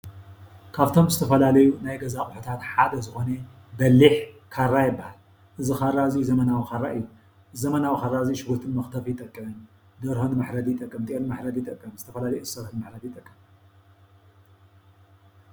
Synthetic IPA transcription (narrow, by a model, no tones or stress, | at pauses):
kʰaβt̪ʰo̞mzɨt̪ʰɐfɐlalɐjunajɡɐzakʼħut̪ʰat̪ħad̪ɐzɨxo̞ne | bɐlːiħ | kʰarːajɪbːahal | ʔɨzɨxaraziuzɐmɐnawixaraʔɨjːu | zɐmɐnawixarːazijʃɪɡot̪ʰɨnmɐxt̪ʰɐfjɪt̪ʼɐkʼːɨmɐnu | d̪ɐɾhonmaħɾɐd̪ijɪt̪ʼɐkʼːɨmd̪ʼiʔenmaħɾɐd̪ijɪt̪ʼɐkʼːɐmzɨt̪ʰɐfɐlalɐjuʔsɐɾħnmaħɾɐd̪ijt̪ʼɐkʼːɨm